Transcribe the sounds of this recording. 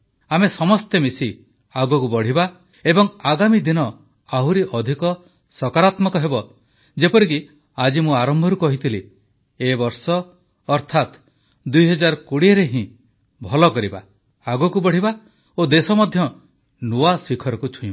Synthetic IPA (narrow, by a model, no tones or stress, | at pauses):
amesɔmɔst̪emisi | aɡɔkubɔɽ̤iba | ebɔŋaɡamid̪inɔ | awɾiʔɔd̪ʱikɔ | sɔkaɾat̪mɔkɔɦebɔ | d͡ʒepɔɾik̬i | ad͡ʒimũaɾɔmbʱɔɾukɔɦit̪ʰili | ebɔɾsɔː | ɾt̪ʰat̪ | d̪ujɦɔd͡ʒaɾɔkuɽieɾeɦĩ | bʱɔlɔkɔɾiba̰ | aɡɔkubɔɽ̤iba | od̪esɔmɔd̪ʱjɔ | nuasikʰɔɾɔkut͡ʃʰuĩ